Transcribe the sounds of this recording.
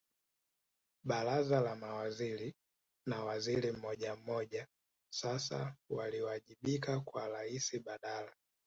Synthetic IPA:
ɓaɾazalamawaziɾi | nawaziɾim̩mɔʄam̩mɔʄa | sasa̰waliwaʄiɓikakwaɾaisiɓaɗala

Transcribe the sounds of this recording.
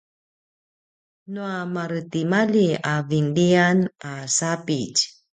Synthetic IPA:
nuamaɾətimaliavindianasapic

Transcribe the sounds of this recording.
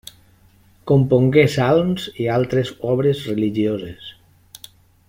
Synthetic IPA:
kompoŋɡesalmzialˠt̪ɾezɔβɾezreliʒiozes

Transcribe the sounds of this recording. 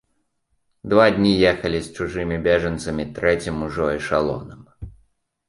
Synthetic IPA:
d̪vad̪ʲnʲijɛxɐlʲist͡ʂuʐɨmʲibʲɛʐɐnt̪sɐmʲit̪ɾɛt͡sʲimːuʐɔjiʂalˠɔ̰nɐm

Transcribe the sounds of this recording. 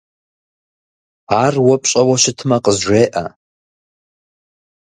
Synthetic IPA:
arwapʼɕʼawaʃɪtʰmaqʼəzʒʷejʔa̰

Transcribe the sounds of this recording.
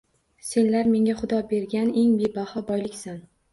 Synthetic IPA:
se̞nlaɾme̞ŋʲaχʊd̪ɒbe̞ɾɡʲane̞ŋbebahɒbɒjlɪkʲsan

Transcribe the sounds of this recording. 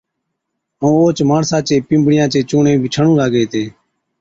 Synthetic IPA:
ũːoːt͡ʃmaːɳsãːt͡ʃeːpɪ̃ːmbɽɪjãːt͡ʃeːt͡ʃoːɳẽːbʱiːt͡ʃʰəɳũːlaːɡeːt̪eː

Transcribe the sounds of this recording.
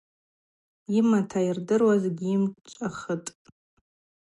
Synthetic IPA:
imatʰairdɨrwazɡʲiimʼt͡ʃʷʼaχətʼ

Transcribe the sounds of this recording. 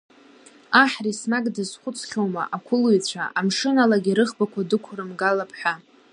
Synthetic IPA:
aħrismakʼdɨzχʷʊt͡sʰχʲowma̰ʔakʷʰʊlujt͡ɕʷʰa̰ʔamʂɨnalaɡʲiɾɨχbakʷʰadɨkʷʰrɨmɡalapʰħʷᶣa

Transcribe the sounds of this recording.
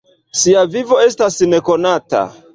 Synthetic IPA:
siavivo̞e̞stasne̞ko̞nata̰

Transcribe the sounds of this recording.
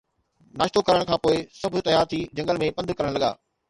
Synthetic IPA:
naːʃt̪okɐɾəɽ̃kʰãːpoːɪsɐbʱʊt̪ɐjaːɾt̪ʰid͡ʑɐ̃ŋɡəlmẽpɐ̃nd̪ʱkɐɾəɽ̃lɐɠa̰ː

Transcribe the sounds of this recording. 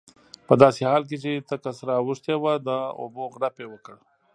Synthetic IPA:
pəd̪ɑːsehɑːlk̬et͡ʃet̪əkasɾawuʂt̪ewad̪əo̰boɣɽapewəkəɽ

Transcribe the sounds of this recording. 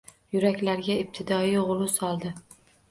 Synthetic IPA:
jʊɾakʲlaɾɡʲaib̚t̪ʰɪd̪ɒiʁlˠʊsɒlˠd̪ɪ

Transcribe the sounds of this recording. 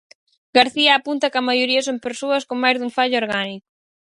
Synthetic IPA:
ɡaɾθiɐːpunt̪ɐkɐmajoɾiɐsompeɾsoɐskoŋmajzðuɱfaʎʊoɾɣanikʊ̥

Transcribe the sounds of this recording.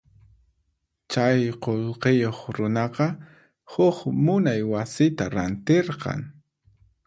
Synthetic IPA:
t͡ʃajqolqejoχɾʊnɑqɑ | hʊχmʊnajwasɪt̪aɾant̪eɾqɑ̰ŋ

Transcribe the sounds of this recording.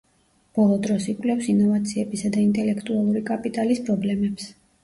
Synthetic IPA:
b̥ɔlˠɔd̪ɾɔsikʼlɛfsinɔvat̪sʰiɛbisad̪aint̪ʼɛlɛkʰt̪ʼualˠuɾikʼapʼit̪ʼalispʰʼɾɔblɛmɛps

